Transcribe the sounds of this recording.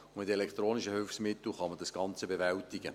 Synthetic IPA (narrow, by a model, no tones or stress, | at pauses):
mɪtelɛkt̪ɾroːniʃəhʏlfsmɪt̪l̩χɑmədɑsɡ̥ɑnt͡səbevɛltɪɡə